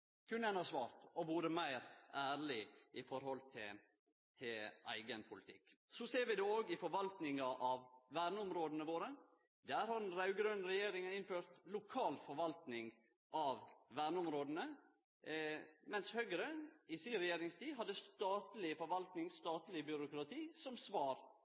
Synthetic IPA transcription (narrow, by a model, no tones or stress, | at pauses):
kʰʉnːænɑsʋɑːɾt̪ɔʋuːɾəmæɪɾʔæːɾɭɪɪfɔɾhɔlt̪ʰɪl | t̪ʰɪlʔæ̰ɪɡənpʰʊlɪt̪ʰɪ̰kː | sɔseːɾʋɪd̪oːoːɡɪfɔɾʋɑlt̪nɪŋɑʔɑʋʋæːɾɳəʊmɾoːd̪n̩əʋoːɾə | d̪æːɾhɑɾdɛnɾɑʉɡɾøːnɾɛjeːɾɪŋɑɪnføːɾt̪lʊkʰɑːlfɔɾʋɑlt̪nɪŋ | ʔɑʋʋæːɾɳəʊmɾoːd̪n̩ə | mɛnshœɡɾənɪsiɾɛjeːɾɪŋst̪ʰiːɦɑd̪ːəst̪ɑːt̪lɪfɔɾʋɑlt̪nɪŋst̪ɑːt̪lɪbʏɾʊkɾɑt̪ʰiːsɔmsʋɑːɾ